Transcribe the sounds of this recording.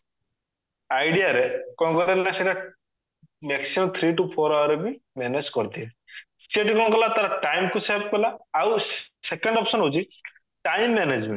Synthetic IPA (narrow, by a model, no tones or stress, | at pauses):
ajɽijaɾekɔɳ̃ɔkɔɾeɾlaseʈja | meksimɔmt̪ʰɾiʈupʰoɾawɾebimɛned͡ʒkɔɾt̪ie | sʈeʈikɔnɔkɔlat̪aɾaʈajmkusab̚kɔlaawsekɔɳɖɔpsɔnɦod͡ʒʰi | ʈajmːɛned͡ʒmẽɳʈ